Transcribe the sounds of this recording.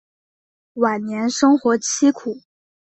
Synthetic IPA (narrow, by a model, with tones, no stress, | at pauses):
wa˨˩nnjɛ˧˥nʂɤ˥ŋxwɔ˧˥t͡ɕʰi˥kʰu˨˩˦